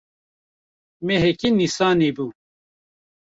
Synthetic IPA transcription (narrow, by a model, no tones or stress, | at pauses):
meɦekinisaːnibu